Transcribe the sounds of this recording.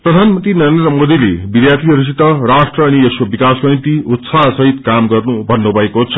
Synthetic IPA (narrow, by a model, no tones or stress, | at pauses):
prʌd̪ʱanmʌnt̪rinʌɾend̪rʌmod̪ilebid̪jat̪ʰiɦʌɾus̬it̪ːʌrasʈrʌːnieskobikasɡʌĩnt̪iut̪sasʌɦit̪kamɡʌrnubʱʌnːobʱʌekot͡sʰʌ̥